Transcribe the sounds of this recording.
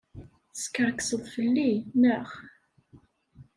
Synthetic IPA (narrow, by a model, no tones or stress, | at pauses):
skːəɾksəðˤfəlːinəχ